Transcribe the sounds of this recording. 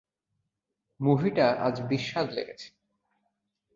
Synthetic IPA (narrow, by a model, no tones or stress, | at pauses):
muɦiʈaʔa̰d͡ʑbiʃːad̪lḛɡet͡ɕʰe̥